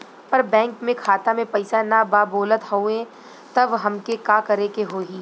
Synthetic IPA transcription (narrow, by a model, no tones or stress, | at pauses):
pɐɾbɛ̃ːŋkmẽkʰaːt̪amẽpɐɪsanabaːboːlət̪hoːẽ | t̪ɐbɦɐmkekaːkɐɾekeɦoːiː